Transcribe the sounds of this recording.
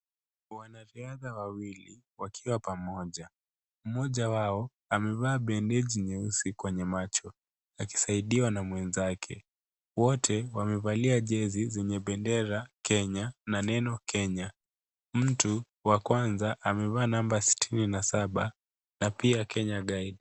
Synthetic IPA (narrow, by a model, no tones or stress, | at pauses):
wanaɾiaðawawili | wakʰiwapamɔʄa | m̩mɔʄawaɔ | amɛvaːɓɛndɛʄiɲɛusikwɛɲɛmat͡ʃɔ | aki̥saiɗiwanamwɛnzakʰɛ̰ | wɔtʰɛwamɛvaliaʄɛzizɛɲɛɓɛndɛɾakʰɛɲananɛnɔkʰɛɲa | m̩tu | wakwanzaʔamɛvaːnambasi̥tʰininasaɓa | napiakʰɛɲaɠaiɗi